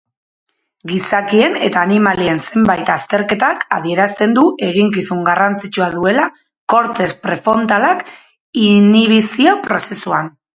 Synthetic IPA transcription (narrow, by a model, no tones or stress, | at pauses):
ɡisakie̞ne̞t̪aːnimalie̞nse̞mbajt̪ast̪e̞ɾke̞t̪aka̰ðie̞ɾast̪e̞nd̪uʔe̞ɣ̞iŋk̬isuŋɡarant͡sit͡ʃuað̞ue̞la | ko̞ɾt̪e̞spɾe̞fo̞nt̪alak | iniβ̞isio̞pɾo̞se̞suan